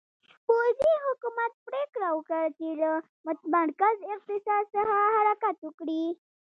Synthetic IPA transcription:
pod͡ziɦukumat̪̚pɾekɾawkəɾt̪il | mət̪bʱaɽkad͡zek̚t̪isasəɦaɦaɾakat̪ukɽiː

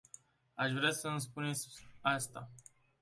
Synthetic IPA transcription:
aʃvɾeasəɨns̬punesʲast̪a̰

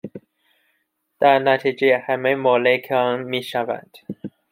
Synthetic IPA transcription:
d̪̥æɾnæt̪ʰid͡ʒeehæmemɒːlekʰɒnmiːʃævæ̰nd̪̥

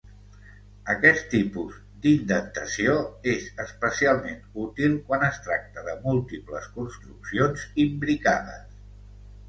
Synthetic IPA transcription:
əkɛt̪ːipuz | d̪ind̪ək̚t̪əsioezəspəsialˠmenut̪ilˠkwanəst̪ɾak̚t̪əðəmulˠt̪iplə̰skunst̪ɾuksionzimbɾikaðə̰s

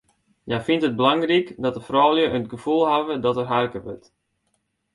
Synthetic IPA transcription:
jafintət̚bəlaŋrikdɔtdəfrɔwlˠjəʔəntɡəfulˠɦavədɔtərɦarkəʋø̰t

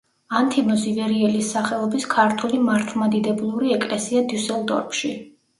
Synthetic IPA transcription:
ant̪ʰimɔzivɛɾiɛlisːaχɛlˠɔbiskʰaɾt̪ʰulimaɾt̪ʰlˠmad̪id̪ɛblˠuɾiɛkʼlɛsiad̪usɛlˠd̪ɔ̰ɾpʰʃi

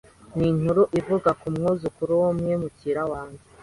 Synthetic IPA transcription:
nin̥uɾuʔivuɡakumŋuːzukuɾuwomɲemuciɾawaːɲɡe

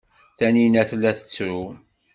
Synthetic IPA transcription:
θæninæθlːæθə̥t͡sːɾu

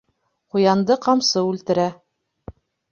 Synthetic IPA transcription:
qujɑnd̪ɤqɑmsɤʉlt̪ɘ̆ɾæ

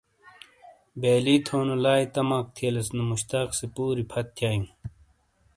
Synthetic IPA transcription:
beːliːt̪ʰoːnɐlaːit̪ɐmaːk̚t̪ʰiɐlɐsnɐmuɕt̪aːksepuːɾipʰɐt̪ʰːjaːjũ

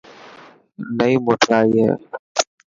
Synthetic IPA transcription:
nəiːmoːʈʰɾaːiːɦɛ̰ː

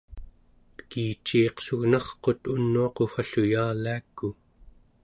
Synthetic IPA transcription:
pə̥kiːt͡ʃːiːqsuɣnɑχqo̞t̪unːuɑqofaɬujaːlaːkːu

